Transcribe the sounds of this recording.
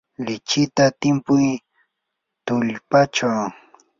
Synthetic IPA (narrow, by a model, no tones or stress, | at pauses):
lɪt͡ʃɪt̪at̪ɪmpʊj | t̪ʊʎpat͡ʃaw